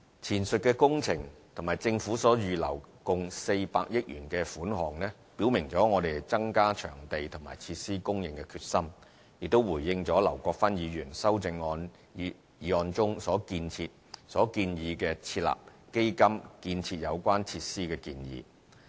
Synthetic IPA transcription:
t͡sʰiː˨˩nsɵ˨t̚kɛː˧kʊ˥ŋt͡sʰɪ˨˩ŋt̪ʰʊ˨˩ŋmaː˨˩jt͡sɪ˧ŋfuː˨˥sɔː˨˥jyː˨˧lɐ̰˨˩wkʊ˨˧ŋse˧jpa̰ː˧k̚jɪ˥k̚jy̰ː˨˩nkɛː˧fuː˨˥nhɔː˨˩ŋnɛ˥ | pi˨˥wmɪ˨˩ŋt͡sɔː˨˥ŋɔː˨˧d̪e˨jt͡sɐ˥ŋkaː˥t͡ʃʰœ̰ː˨˩ŋt̪e˨jt̪ʰʊ˨˩ŋma̰ː˨˩jt͡sʰi˧t̚siː˥kʊ˥ŋjɪ˨ŋkɛ˧kʰyː˧t̚sɐ˥m | jɪ˨k̚t̪o˥wuː˨˩jːɪ˧ŋt͡sɔː˨˥lɐ˨˩wkʷɔː˧k̚fɐ˥njiː˨˧jyː˨˩nsɐ˥wt͡sɪ˧ŋɔː˧n˨ | jiː˨˧ɔː˧nt͡sʊ˥ŋsɔː˨˥kiː˧nt͡sʰiː˧t̚sɔː˨˥kiː˧njiː˨˧kɛː˧t͡sʰiː˧t̚la̰ː˨p̚ke˥jkɐ˥mkiː˧nt͡sʰiː˧t̚jɐ˨˧wkʷwaː˥nt͡sʰiː˧t̚siː˥kɛː˧kiː˧njḭː˨˧

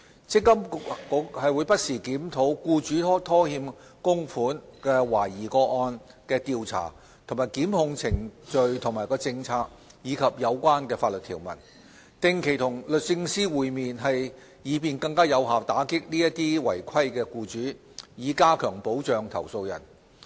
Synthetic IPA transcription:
t͡sɪ˥kːɐ˥mkkkɔː˨˥hɐ˨jwuː˨˧jpɐ˥t̚siː˨˩kiː˨˥mt̪ʰo˨˥wkuː˧t͡ʃyː˨˥t̪ʰɔː˥hiː˧m | kʊ˥ŋfuː˨˥nkɛː˧waː˨˩jiː˨˩kɔː˧k̚ɔː˧n | kɛː˧t̪iː˨˧wt͡sʰa̰ː˨˩ | t̪ʰʊ˨˩maː˨jkiː˨˥mhʊ˧ŋt͡sʰɪ˨˩ŋt͡ʃɵ˨ɥt̪ʰʊ˨˩ŋmaː˨˩jkɔː˧t͡sɪ˧ŋt͡sʰaː˧k̚ | jiː˨˧kʰɐ˨p̚jɐ˨˧wkʷaː˥nkɛː˧faː˧t̚lɵ˨t̪ʰiː˨˩wmɐ̰˨˩n | t̪ɪ˨ŋkʰe˨˩jt̪ʰʊ˨˩ŋlɵ˨t̚sɪ˧ŋsiː˥wuː˨jmiː˨nɦɐ˨j | jiː˨˧piː˨nkɐ˧ŋkaː˥jɐ˨˧wɦaː˨˩wt̪aː˨˥kɪ˥k̚niː˥jɐ˥t̚t̪iː˥wɐ˨˩jkʷʰɐ˥jkɛː˧kuː˧t͡ʃyː˨˥ | jiː˨˧kaː˥kʰœː˨˩ŋpo˨˥wt͡ʃœː˨ŋt̪ʰɐ̰˨˩wso˧wjɐ̰˨˩n

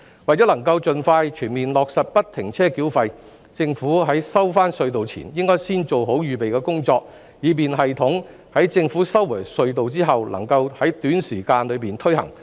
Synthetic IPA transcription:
wɐ˨jt͡ɕɔː˨˥lɐ˨˩ŋkɐ˧wt͡sɵ˨nfaː˧jt͡ʃʰyː˨˩nmiː˨nlɔː˨k̚sɐ˨t̚pɐ˥t̚t̪ʰɪ˨˩ŋt͡sʰɛː˥ki˨˥wfɐ˧j | t͡sɪ˧ŋfu˨˥ɦɐ˨˥jsɐ˥wfaː˥nsɵ˧ɥt̪̬o˨wt͡sʰḭ˨˩njɪ˥ŋkɔː˥jsiː˥nt͡so˨wɦo˨˥wjyː˨˩pe˨jkɛː˧kʊ˥ŋt͡sɔː˧k̚ | jiː˨˧piː˨nɦɐ˨jt̪ʰʊ˨˥ŋ | hɐ˨˥jt͡sɪ˧ŋfuː˨˥sɐ˥wwɐ˨˩jsɵ˧ɥt̪o˨wt͡siː˥ɦɐ˨wlɐ̰˨˩ŋkɐ˧whɐ˨˥jt̪yː˨˥nsiː˨˩kaː˧nlɵ˨˧ɥpiː˨nt̪ʰɵ˥ɥhɐ˨˩ŋ

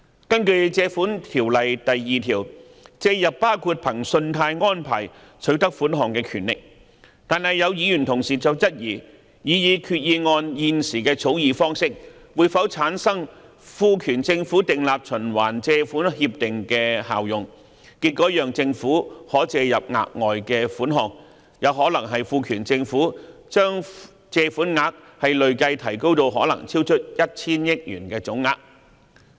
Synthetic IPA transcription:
kɐ˥nkɵ˧ɥt͡sɛː˧fuː˨˥nt̪ʰiː˨˩wlɐ˨jt̪ɐ˨jːiː˨t̪ʰiː˨˩w | t͡sɛː˧jɐ˨pːaː˥wkʰuː˧t̚pʰɐ˨˩ŋsɵ˧nt̪ʰaː˧jŋɔː˥npʰa̰ː˨˩j | t͡sʰɵ˨˥t̪ɐ˥k̚fuː˨˥nɦɔː˨˩ŋkɛː˧kʰyː˨˩nlɪ˨k̚ | t̪aː˨nhɐ˨jɐ˨˧wjiː˨˧jyː˨˩nt̪ʰʊ˨˩ŋsiː˨t͡sɐ˨wt͡sɐ˥t̚jiː˨˩ | jiː˨˧jiː˨˧kʰyː˧t̚jiː˧ŋɔː˧njiː˨nsiː˨˩kɛː˧t͡sʰo˨˥wjiː˨˧fɔː˥ŋsɪ˥k̚wuː˨˧jfɐ˨˥wt͡sʰaː˨˥nsɐ˥ŋ | fuː˧kʰyː˨˩nt͡sɪ˧ŋfuː˨˥t̪ɪ˨ŋlaː˨p̚t͡ʃʰɵ˨˩nwaː˨˩nt͡sɛː˧fuː˨˥nhiː˧p̚t̪ɪ˨ŋkɛː˧ha̰ː˨wjʊ˨ŋ | kiː˧t̚kɔː˨˥jœː˨ŋt͡sɪ˧ŋfuː˨˥hɔː˨˥t͡sɛː˧jɐ˨p̚ŋa̰ː˧k̚ŋɔː˨jkɛː˧fuː˨˥nɦɔː˧ŋ̚ | jɐ˨˧wɦɔː˨˥lɐ˨˩ŋɦɐ˨jfuː˧kʰyː˨˩nt͡sɪ˧ŋfuː˨˥t͡ʃœː˥ŋ | t͡sɛː˧fuː˨˥nŋaː˧k̚ | hɐ˨jlɵ˨ɥkɐ˧jt̪ʰɐ˨˩jko˥wt̪o˧wɦɔː˨˥lɐ̰˨˩ŋt͡sʰiː˥wt͡ʃʰɵ˥t̚jɐ˥t̚t͡sʰiː˥njɪ˥k̚jyː˨˩nkɛː˧t͡sʊ˨˥ŋːaː˧k̚

